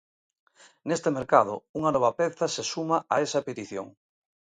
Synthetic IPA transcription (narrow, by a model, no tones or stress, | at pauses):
nest̪emeɾkaðʊ̰uŋanɔβɐpeθɐsesumaʔaesɐpet̪iθjo̰ŋ